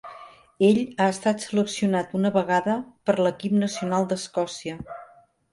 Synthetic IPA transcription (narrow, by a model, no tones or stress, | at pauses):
eʎaəst̪at̪sələksiunat̪unəβəɣaðəpəɾləkip̚nəsiunalˠd̪əskɔsiə